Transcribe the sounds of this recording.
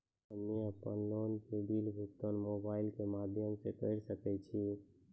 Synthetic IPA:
əmːiəpənlonpeɖilbʱuk̚t̪onmobaɪlkemad̪ʱjəmsekəɪɾsəkɛt͡ʃʰi

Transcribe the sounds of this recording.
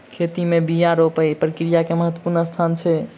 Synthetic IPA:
kʰet̪imebijaɾopəjpɾəkɾijakeməɦət̪ːwə̥puɾnəst̪ʰant͡ʃʰɛ

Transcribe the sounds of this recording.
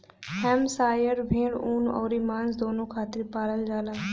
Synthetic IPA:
hɛmsaːjəɾbʱẽːɽuːnɔ̰ːɾimãːnsd̪oːnõkʰaːt̪ɪɾpaːɾəld͡ʒaːlaː

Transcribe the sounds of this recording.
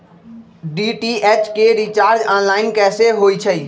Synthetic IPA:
ɖiʈiɛt͡ʃkeɾit͡ʃaːɾd͡ʒaːnlaːɪnkɛːseɦoːit͡ʃʰəi

